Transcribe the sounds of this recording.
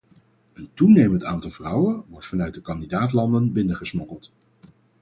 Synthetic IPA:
əntunejməntaːntɑlˠvrʌwənʋɔɹtfɑnœɥt̚dəkɑndidaːtlɑndənbɪndəχəsmɔkəlˠt

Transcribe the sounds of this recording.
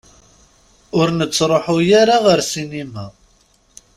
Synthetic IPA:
ʊɾnət͡sːɾˤoħʊjaɾaʁəɾsinimæ

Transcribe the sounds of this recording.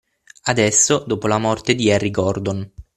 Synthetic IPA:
ad̪ɛsːod̪oːpolamɔrt̪ed̪iɛrːiɡɔrd̪on

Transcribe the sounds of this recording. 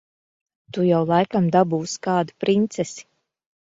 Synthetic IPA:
t̪ujawlˠajkamd̪abuːskaːd̪upɾint̪sɛsi̥

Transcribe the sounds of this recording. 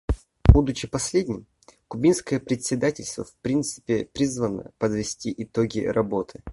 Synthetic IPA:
bud̪ʊt͡ɕɪpɐsʲlʲedʲnʲɪm | kʊbʲinskəjəpɾʲɪt̪ʲsʲɪd̪atʲɪlʲst̪və̰fpɾʲint̪sɨ̥pʲɪpɾʲizvənə̰pəd̪vʲɪsʲtʲiʔɪt̪oɡʲɪ̰ɾɐbo̞t̪ʰɨ̥

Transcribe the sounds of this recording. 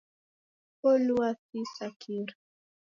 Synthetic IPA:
poluasisakʰiɾ

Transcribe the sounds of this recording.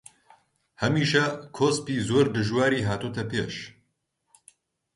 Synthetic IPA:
hɐmiːʃɐkʰoːspiːzoːɾd̪ɨʒwaːɾiːɦaːt̪uːt̪ɐpʰḛːʃ

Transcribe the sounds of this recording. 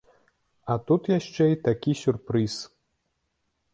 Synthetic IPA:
at̪ut̪jaʃt͡ʂɛit̪akʲisʲurpɾɨs

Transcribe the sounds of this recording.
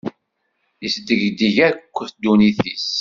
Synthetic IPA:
jəsd̪əʝd̪iʝæɾkʷːəθd̪uniθis

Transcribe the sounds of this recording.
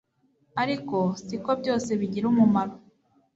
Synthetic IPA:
aɾiko̞siko̞bɟo̞ːse̞βiɟiɾumumaɾo

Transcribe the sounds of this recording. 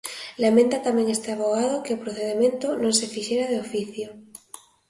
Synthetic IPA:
lamẽnt̪at̪amẽŋest̪eaβoɣ̞að̞okeopɾoθeðemẽnt̪onõŋsefiʃeɾað̞eofiθjo

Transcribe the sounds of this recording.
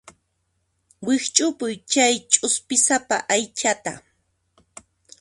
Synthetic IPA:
wɪht͡ʃʼʊpʊjt͡ʃajt͡ʃʼʊspɪsapa̰ʔajt͡ʃat̪a̰

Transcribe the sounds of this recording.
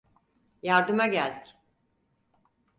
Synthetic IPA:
jaɾd̪ɯmaɟælʲd̪ic

